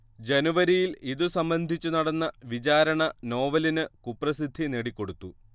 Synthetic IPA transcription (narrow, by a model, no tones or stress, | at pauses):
d͡ʑenuʋɐɾijiliðusɐmbɐnd̪ʱit͡ɕːunɐɽɐnːɐʋit͡ɕaːɾɐɳɐno̞ːʋɐlinɨkupːrɐsid̪ʱːineɽikʲːo̞ɽut̪ːu